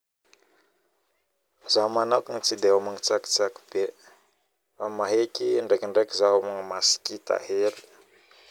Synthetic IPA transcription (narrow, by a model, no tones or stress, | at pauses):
zamanawkiŋit͡sid̪eomaŋit͡saki̥t͡saki̥b̥e | famaɦekʲiɳɖ͡ʐekiɳɖ͡ʐekizaomaŋəmasi̥kit̪a̰helu̥